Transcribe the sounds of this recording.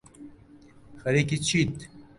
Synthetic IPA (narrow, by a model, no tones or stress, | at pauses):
xɐɾekit͡ɕʰit̪